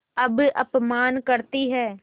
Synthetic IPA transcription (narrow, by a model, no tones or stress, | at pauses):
ɐbɐ̰pmaːnkɐɾt̪iɦɛː